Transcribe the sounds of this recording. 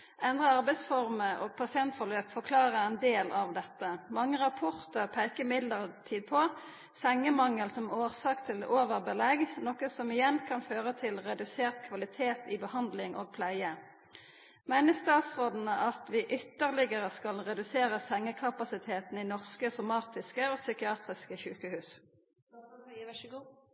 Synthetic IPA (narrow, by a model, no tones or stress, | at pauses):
ʔɛnd̪ʁəɑʁbæɪsfɔʁməo̰ːɡ̚pʰɑsɪɛnt̪fɔʁløːpfɔʁkʰlɑːʁəʁɛnd̪eːlʔɑʋd̪ɛt̪ːəmɑŋːəʁɑpʰɔʁt̪əʁpʰæɪkəmɪd̪ləʁət̪ʰiːd̪̚pʰɔ | sɛŋːəmɑŋːəlsɔmoːʁsɑːkt̪ʰɪlʔoːʋəʁbəlɛɡnɔkəsɔmɪjɛnkʰɑnføːʁət̪ʰɪlʁɛd̪ʉseːʁt̪kʰʋɑlɪt̪ʰeːt̪ɪbəhɑnd̪lɪŋʔoːɡ̚pʰlæɪə | mæɪnəst̪ɑːt̪sʁoːd̪n̩əʔɑt̪ʋiːʔʏt̪ːəʁlɪɡəʁəskɑlʁɛd̪ʉseːʁəsɛŋːəkʰɑpɑsɪt̪ʰeːt̪n̩iːnɔʁskəsʊmɑːt̪ɪskəoːsʏkɪɑːt̪ʁɪskəçʉːkəhʉːs